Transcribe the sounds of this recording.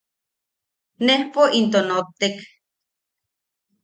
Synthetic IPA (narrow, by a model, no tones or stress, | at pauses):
nehpoʔint̪onot̪ːek